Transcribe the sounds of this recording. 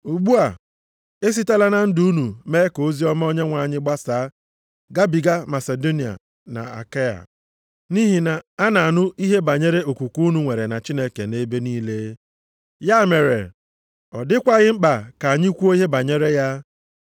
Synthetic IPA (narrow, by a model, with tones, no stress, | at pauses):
u˨ɡ͡bu˦a˨ | e˦s̬i˦ta˦la˦na˨n̩˦du˦u˦nu˨me˦ko˨˦zi˦ɔ˦ma˦ɔ˦ɲe˦ŋʷa˨ɲɪ˦ɡ͡ba˦saː˨˦ | ɡa˦bi˨ɡa˦ma˨se˨do˦ni˨a̰˨ | na̰˨a̰˨ka˦ja̰˨ | ni˦ɦi˨na˨a˦na˨a˨nʊ˦i˦ɦe˦ba˨ɲe˦ɾe˦o˨kʷu˨ku˦nu˨ŋʷe˨ɾe˨na˨t͡ʃi˦ne˦kḛ˨ne˦be˦niː˦le˦ | ja˦˨me˨ɾḛ˨ | ɔ̰˨dɪ˦kʷa˦ɣɪ˦ŋ͡m̩˦k͡pa˨ka˨a˨ɲɪ˦kʷu˦o˦i˦ɦe˦ba˨ɲe˦ɾe˦ja˦